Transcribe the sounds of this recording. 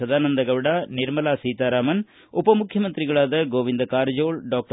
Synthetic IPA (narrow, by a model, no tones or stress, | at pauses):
ɐðaːnɐnd̪ɐɣɐʋɪɽaːnɪɾmɐlaːsiːt̪aːɾaːmɐn | ʊpːɐmʊkʰjɐmɐnd̪ɾɪɣɐɭaːðɐɡoːʋɪnd̪ɐkaːɾd͡ʒoːɭɖoːk̚ʈ